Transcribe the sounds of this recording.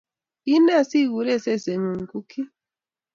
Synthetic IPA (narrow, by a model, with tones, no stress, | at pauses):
i˦na˦˨si˦˨wu˨˦ɾɛ˦sɛ˦˨sɛ˨ŋu˨ŋ̩˨ku˦kʰi˦